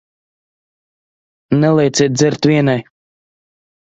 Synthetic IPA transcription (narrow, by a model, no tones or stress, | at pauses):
nɛlˠɛjt̪sʲiːt̪̚d̪zɛɾt̪vʲiɛnaj